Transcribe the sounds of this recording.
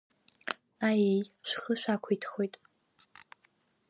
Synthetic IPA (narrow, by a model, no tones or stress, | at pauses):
ajejʃʷχəʃʷᶣaːkʷʰojtʰχojtʼ